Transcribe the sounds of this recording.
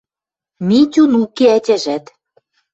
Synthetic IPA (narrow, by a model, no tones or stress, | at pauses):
mʲitʲunukeætʲæ̆ʒæt̪